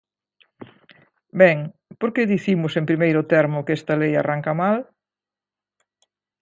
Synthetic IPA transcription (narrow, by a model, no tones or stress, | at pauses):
bɛŋpoɾkeðiθimʊsempɾimejɾʊt̪ɛɾmʊkest̪ɐleja̰raŋkamal